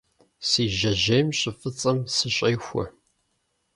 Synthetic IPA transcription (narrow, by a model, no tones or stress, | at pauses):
siːʒɐʒejmɕʼɪfɨt͡sʼɐmsɨɕʼeːxʷʊ̰